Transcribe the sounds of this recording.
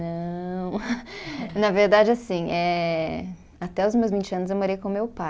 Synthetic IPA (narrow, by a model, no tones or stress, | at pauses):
nɐ̃w̃ | nɐveɾd̪ad͡ʒɪasĩʔɛ | at̪ɛʊzmewzmĩt͡ʃɪɐ̃nʊzewmoɾejkõʊmewpa